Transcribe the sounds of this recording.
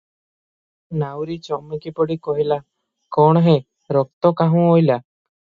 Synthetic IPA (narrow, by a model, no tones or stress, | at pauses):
nawɾit͡ʃɔmekipɔɽikɔɦila | kɔɳ̃ɔɦẽ | ɾɔk̚t̪ɔkaɦũojla